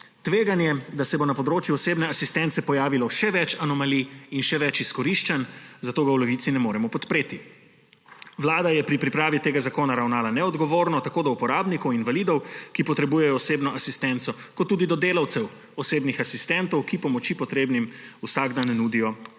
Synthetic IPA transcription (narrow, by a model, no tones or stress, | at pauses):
t̪ʋeːɡanjɛd̪asɛbonapɔd̪ɾoːt͡ʃjuɔseːbnɛasist̪ɛnt̪sɛpɔjaːʋilɔʃɛʋɛt͡ʃanɔmaliinʃɛʋɛt͡ʃiskɔɾiʃt͡ʃɛnzat̪oːɡawlɛʋit̪sinɛmoːɾɛmɔpɔt̪pɾeːt̪i | ʋlaːd̪ajɛpɾipɾipɾaːʋit̪eːɡazakoːnaɾawnaːlanɛɔd̪ɡɔʋoːɾnɔt̪akoːd̪ɔupɔɾaːbnikɔwinʋaliːd̪ɔwkipɔt̪ɾɛbuːjɛjɔːseːbnɔʔasist̪ɛnt̪sɔ | kɔt̪ːuːd̪id̪ɔd̪eːlawt̪sɛw | ɔseːbnixasist̪ɛnt̪ɔwkipɔmɔt͡ʃipɔt̪ɾeːbnimusaɡd̪annuːd̪ijɔ